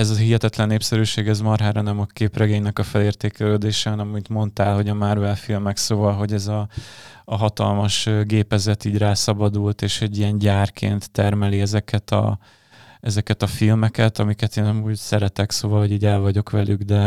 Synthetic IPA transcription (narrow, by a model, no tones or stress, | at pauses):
ɛzɒɦiɦɛt̪ɛt̪lɛnːeːpsɛɾyːʃeːɡɛzmɒrɦaːɾɒnɛmɒkeːprɛɡeːɲnɛkɒfɛleːrt̪eːkɛløːd̪eːʃɛhɒnɛmɒmint̪mo̞nt̪aːlɦo̞ɟɒmarvɛlfilmɛksoːvɒlɦo̞ɟɛzɒː | ɦɒt̪ɒ̰lmɒʃɡeːpɛzɛt̪iːɟraːsɒbɒd̪ult̪eːʃhɛɟːijɛnɟaːrkʰḛːnt̪ːɛrmɛliɛzɛkʰɛt̪ɒ̰ | ɛzɛkɛt̪ɒfilmɛkɛt̪ɒmikɛt̪eːnɒmuːɟsɛɾɛt̪ɛksoːvɒlho̞ɟiːɟɛlvɒɟo̞kʋɛlyɡd̪ɛ